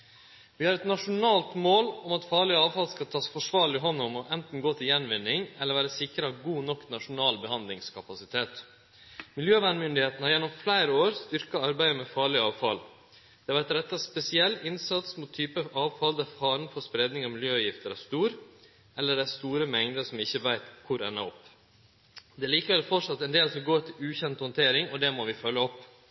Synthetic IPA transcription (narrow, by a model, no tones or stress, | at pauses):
ʋɪhɑɾɛt̪nɑʂʊnɑːlt̪moːlɔmɑt̪fɑːɭɪɑːʋfɑlskɑlt̪ʰɑːsfɔʂʋɑːɾɭɪɪɦɔnːʊmɔʔɛnt̪n̩ɡoːt̪ʰɪljɛnʋɪnːɪŋɛləɾʋæːɾəsɪkɾɑɡuːnɔkːnɑʂʊnɑːlbəhɑnd̪lɪŋskʰɑpɑsɪt̪ʰeːt̪ | mɪljøːʋænmʏnd̪ɪheːt̪n̩hɑɾjɛnːɔmflæɪɾəoːɾst̪ʏɾkɑɑɾbæɪəmɛfɑːɭɪɑːʋfɑ̰l | d̪̥ɛʋæɛt̪ɾɛt̪ːɑspɛsɪɛlːɪnsɑt̪smut̪ʰːyːpəəɑːʋfɑld̪æɾfɑːɾnfɔspɾeːd̪nɪŋɑmɪljøːʋjɪft̪əɾæst̪uːɾ | ɛlːəɖæɪst̪uːɾəmɛŋd̪əsɔmɪçːəʋæɪt̪kʰʊɾɛnːəɔpː | d̪ɛæɭiːkəʋɛləfɔʈʂɑt̪ːɛnd̪eːlsɔmɡoːt̪ʰɪlʉːçɛnt̪hɔnt̪ʰeːɾɪŋɔd̪ɛmɔʋɪfœlːəɔpː